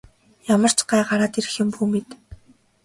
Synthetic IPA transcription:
jamə̆r̥t͡ɕɢæːɢaɾaːt̪iɾɘ̆xɪ̆mpuːmet̪

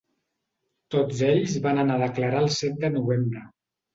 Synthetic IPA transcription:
t̪od͡zeʎzβanənaðəkləɾaəlˠsɛt̪̚d̪ənuβembɾə

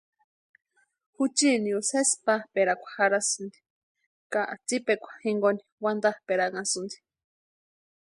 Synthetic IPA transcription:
hut͡ʃiniusespapeɾakʷḁhaɾasɨnd̪i̥ | kaʔat͡sipekʷḁhiŋɡoni̥wand̪apeɾaŋasɨnd̪i̥

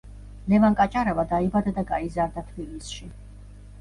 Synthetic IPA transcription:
lɛvankʼat͡ʃʼaɾavad̪aibad̪ad̪aɡaizaɾd̪at̪ʰbilisʃi

